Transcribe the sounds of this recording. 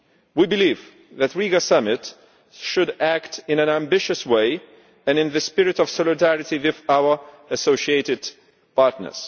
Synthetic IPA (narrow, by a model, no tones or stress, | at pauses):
wibɨliv | ðætɹiɡasʌmɪt | ʃʊɾæktɪ̃næ̃næ̃mbɪʃɨsweɪ | ɨ̃nɨ̃nðɨspɪɹɨtɔv̥sɔlˠɨdæɹɨtiwɪðaʊə˞ | ɨsoʊʃieɪɾɨd̚ | pɑɹtnə̰˞z̥